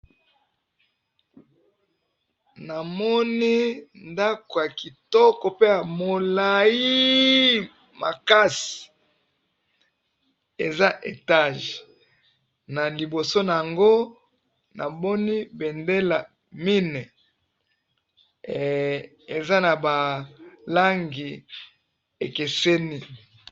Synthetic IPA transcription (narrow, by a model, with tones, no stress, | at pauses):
na˨mɔ˦ni˦nda˦ko˨ja˨ki˨tɔ˦ko˨pe˦ja˨mo˨la˨ji˦ | ma̰˨ka˦si̥˨ | e˨za˦ʔe˨ta˦˨ʒ | na˨li˨bo˨so˦na˨ja˨ŋɡo˦ | na̰˨bɔ˦ni˦be˨nde˦la˨ | mi˦nɛ˨ | e˨za˦na˨ba˨la˦ŋɡi˨ | e˨ke˨se˦ni˦